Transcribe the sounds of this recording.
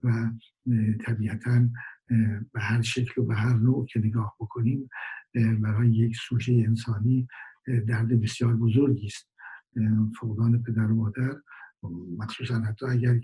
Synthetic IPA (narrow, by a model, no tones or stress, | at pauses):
væ | t̪ʰæbiːʔæt̪ʰæn | behæɾʃekʰlobeɦæɾnoːʔcʰe̞neɡɒːhb̥o̞kʰo̞niːm | bæɾɒːjejeksuːd͡ʒejeensɒːniːd̪æɾd̪e̞be̞sjɒːɾbo̞zoɾɡiːst̪̚ | foɣd̪ɒːne̞pʰe̞d̪æɾomɒːd̪æɾ | mæxsuːsænhæt̪ʰːɒːæɟæɾ